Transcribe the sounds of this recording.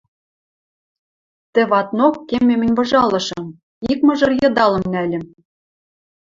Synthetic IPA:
t̪ɘ̆βɑt̪nokːemʲːemɘ̆nʲbɤ̆ʒɑlˠɤ̆ʃɤ̆m | ik̚mɤ̆ʒɤ̆rjɤ̆d̪ɑlɤ̆mnælʲɘ̆m

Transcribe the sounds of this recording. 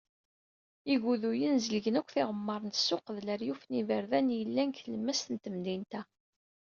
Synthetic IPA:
iɡuðujənzəlʝənækʷθɪʁəmːəɾˤənt̪sːʊqðləɾjufnivəɾðænjəlːænkələmːæst̪ənt̪əmd̪int̪æ

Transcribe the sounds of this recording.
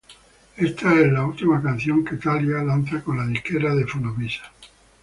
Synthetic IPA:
est̪aezlault̪imakan̟θjoŋket̪aljalan̟θakonlaðikeɾaðefunoβisḁ

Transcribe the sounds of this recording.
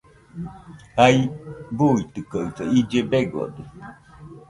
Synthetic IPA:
haibuːit̪ɯkaɯt̪aid͡ʒebeɡo̰d̪u

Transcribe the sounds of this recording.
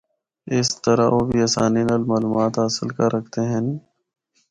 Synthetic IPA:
ɪst̪əɾaoːbiəːsa̰ːninalmaːluːmaːt̪asəlkaɾʔəkʰt̪eɦɛ̃ːni

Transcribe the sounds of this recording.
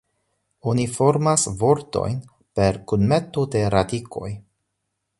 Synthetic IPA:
onifo̞ɾmasvo̞ɾto̞̰jn | pe̞ɾkunmet̪ode̞ɾadikʰo̞̰j

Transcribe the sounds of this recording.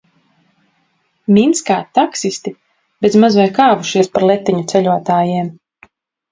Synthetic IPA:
mʲinskaːt̪ːaksisʲt̪i | bezmazvajkaːvuʃiɛspaɾlˠɛt̪ːiɲut̪sɛʎʲuɔt̪aːjiɛm

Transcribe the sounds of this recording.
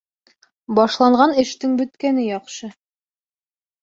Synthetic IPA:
bɒʃlˠɑɴʁɑnɘ̆ʃt̪ɘŋbɵ̆t̪kænɘjɒqʃɤ

